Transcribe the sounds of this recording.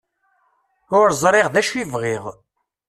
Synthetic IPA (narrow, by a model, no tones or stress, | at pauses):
ʊɾzˤɾˤeʁðæʃivʁiʁ